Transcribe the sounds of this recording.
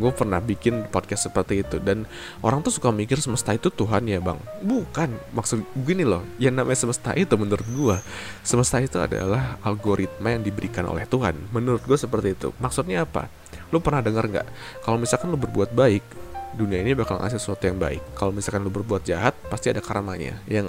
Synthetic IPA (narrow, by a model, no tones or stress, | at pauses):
ɡuapərnahbikɪnpɔd̚kɛst̪səpərt̪iːt̪udan | ʔoɾaŋt̪usukamikɪrsəməst̪ait̪ut̪uɦanjaba̰ŋbukanmaksʊt̪bəɡinilɔhjaŋnamʔaɲasəməst̪a̰ʔit̪umənuɾʊt̪̚ɡuasəməst̪ait̪ua̰da̰lahalɡoɾʔit̪̚majaŋdibəɾikanʔo̰lɛ̰ht̪uɦa̰nmənuɾʊt̪̚ɡuasəpərt̪iːt̪ṵmaksʊt̪̚ɲaːpa̰ | lʊpərnahdəŋərŋɡa̰ʔkalomisalkanlʊbərbuat̪̚baɪk̚duniainibakala̰ŋʔa̰s̬ɪlsəsuat̪ujaŋba̰ɪ̰kːalomisalkanlʊbərbuat̪̚d͡ʒaɦat̪̚past̪iadakaɾamaɲa̰jaŋ